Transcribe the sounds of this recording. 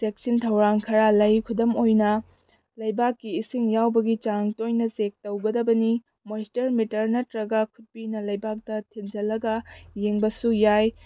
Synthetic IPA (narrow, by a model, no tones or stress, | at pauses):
sek̚sintʰɐwɾaŋkʰɐɾalɐjkʰudɐmojnɐ | lɐjbakːiːsiŋjawbɐɡit͡ʃaŋtojnɐzek̚tɐwɡɐdɐbɐni | mojstɐɾmitɐɾnɐtɾɐɡɐkʰut̚pinɐlɐjbak̚tɐtʰind͡ʒɐlːɐɡɐːeŋbɐsujaj